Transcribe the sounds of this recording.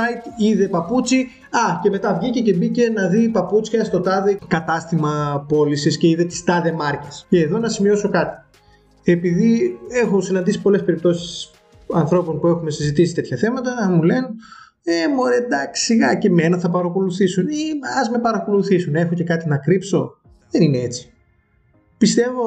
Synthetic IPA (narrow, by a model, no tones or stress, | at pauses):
ɐjt̪iðe̞pɐput͡si | ɐce̞me̞t̪ɐvʝice̞ce̞bice̞nɐðipɐput͡sçɐst̪o̞t̪ɐðekɐt̪ɐst̪imɐpo̞lisisce̞iðe̞t̪i̥st̪ɐðe̞mɐɾcesce̞ːðo̞nɐsimio̞so̞kɐt̪i̥ | e̞piðie̞xo̞sinɐnd̪isi̥po̞le̞spe̞ɾip̚t̪o̞si̥s | ɐnθɾo̞po̞npue̞xume̞sizit̪isi̥t̪e̞t̪çɐθe̞mɐt̪ɐmule̞n | emoɾed̪ɐki̥siɣɐceme̞nɐθɐpɐɾɐko̞luθisuniɐzme̞pɐɾɐko̞luθisunexoce̞kɐt̪inɐkɾipso̞ | ðenine̞e̞t͡si̥ | pist̪e̞vo̞